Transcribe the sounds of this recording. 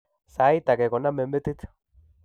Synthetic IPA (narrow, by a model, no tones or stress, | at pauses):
sajt̪akeɣonamembet̪it̪